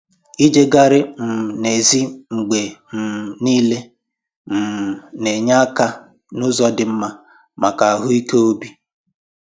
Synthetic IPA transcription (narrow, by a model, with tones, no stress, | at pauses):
i˦d͡ʒe˦ɡa˦ɾɪ˦m̩˨ne˨zi˦ŋ͡m̩˨ɡ͡be˨m̩˨niː˦le˦ | m̩˨ne˨ɲa˦ka˦ | nʊ˦zɔ˦dɪ˨m̩˦ma˦ | ma˨ka˨a˨ɦʊ˦i˦ke˦o˦bi˦